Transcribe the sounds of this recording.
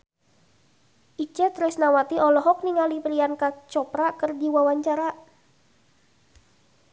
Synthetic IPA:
ʔit͡ʃɛt̪ɾɛsnawat̪iɔlɔɦɔk̚niŋalipɾiankat͡ʃɔpɾakərdiwawaɲt͡ʃaɾa

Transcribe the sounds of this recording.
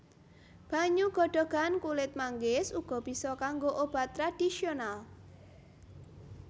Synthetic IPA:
b̥a̤ɲuɡ̥ɔ̤ɖ̥ɔ̤ɡ̥ankulɪt̪̚maŋɡɪsuɡ̥ɔ̤b̥i̤sɔkaŋɡoʔob̥a̤t̪ːɾad̥isional

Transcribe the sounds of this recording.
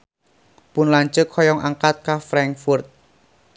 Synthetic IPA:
pʊnlaɲt͡ʃʊkʰɔjɔŋʔaŋkat̪̚kafɾaŋfʊrt̪̚

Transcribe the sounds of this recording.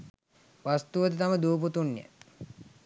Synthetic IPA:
ʋast̪uʋəd̪ət̪aməd̪uːput̪unːjə̰

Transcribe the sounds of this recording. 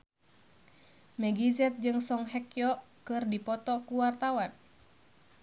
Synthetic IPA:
mɛɡizɛt̪̚d͡ʒɨŋsɔŋɦɛkjɔ | kɨrdipɔt̪ɔkuwart̪awan

